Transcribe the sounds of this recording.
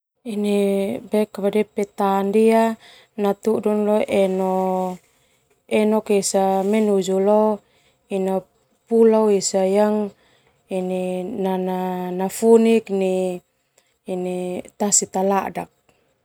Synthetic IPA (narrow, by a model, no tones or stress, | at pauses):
inibɛkabadɛpɛt̪aːndia | nat̪udunloʔɛnɔ | ɛnɔkisamɛnud͡ʒulo | ina | pulawisajaŋ | ininananafunikni | nit̪asit̪aladak̚